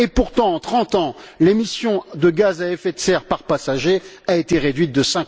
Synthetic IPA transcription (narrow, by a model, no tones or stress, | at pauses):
epuʁt̪ɑ̃ːt̪χɑ̃t̪ɑ̃lemisjɔ̃d̪əɡazaɛfɛt̪sɛʁpaʁpasaʒeaet̪eʁed̪ɥit̪̚d̪əsɛ̃